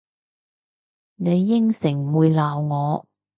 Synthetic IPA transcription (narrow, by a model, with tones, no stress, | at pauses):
ne˨˧jːɪ˥ŋsɪ˨˩ŋ˨wuː˨˧jlaː˨wŋɔː˨˧